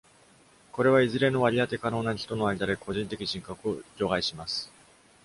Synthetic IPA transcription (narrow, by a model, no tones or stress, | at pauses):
ko̞ɾe̞β̞aizɨɾe̞no̞βaɾʲiat̪e̞kano̞ːnaçi̥t̪o̞no̞aɾʲid̪aɾe̞ko̞ʑĩnt̪e̞kʲiʑĩŋkakɯo̞ʑo̞ːɡaiɕimasɨ̥